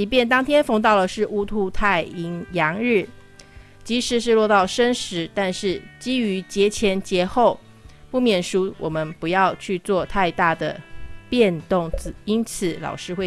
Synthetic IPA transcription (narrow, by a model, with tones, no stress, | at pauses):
i˧˥pjɛ˥˩nt̪ɑ˥ŋt̪ʰjɛ˥nfɤ˧˥ŋt̪̬ɑ˥˩ʊlə˩ʂɻ̩˥˩ʔu˥t̪ʰu˥˧t̪ʰa˥˩ɪi˧˥ŋjɑ˧˥ŋɻɻ̩˥˩ | t͡ɕi˧˥ʂɻ̩˧˥˦ʂ̬ɻ̩˥˧lwɔ˥˧t̪ɑ˥˩ʊʂə˥nʂɻ̩˧˦t̪a˥˧nʂɻ̩˥˩t͡ɕi˥y˧˥t͡ɕjɛ˧˥t͡ɕʰjɛ˧˥nt͡ɕjɛ˧˥xo˥˩ʊ | pu˥˩mjɛ˨˩nʂu˥wʔɔ̰˨˩mə˦npu˧˥jɑ˥˧ʊt͡ɕʰy˥˧t͡swɔ˥˧t̪ʰa˥˧ɪt̪a˥˩d̪ə̰˩pjɛ˥˧nt̪ʊ˥˩ŋt͡s̩˨˩i˥nt͡s̩ʰ˨˦lɑ̰˨˩ʊʂɻ̩˥xwe˥˧